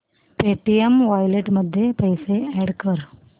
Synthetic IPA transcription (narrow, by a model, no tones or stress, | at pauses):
peːʈːijɐmʋɐjleʈmɐd̪ːepɐjseeːɽkːɐɐɾ